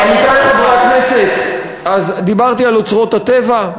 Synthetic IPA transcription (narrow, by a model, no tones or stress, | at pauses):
nit̪anχevʁaknese̞t̪ | azd̪ibaʁt̪ialot͡sʁo̞t̪at̪eva